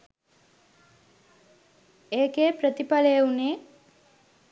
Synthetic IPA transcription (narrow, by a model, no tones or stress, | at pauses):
eːkeːpɾət̪ipaleeuneː